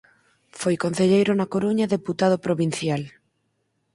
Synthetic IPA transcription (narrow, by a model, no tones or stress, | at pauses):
fojkon̟θeʎejɾʊnakoɾuɲaðeput̪að̞opɾoβin̟θjal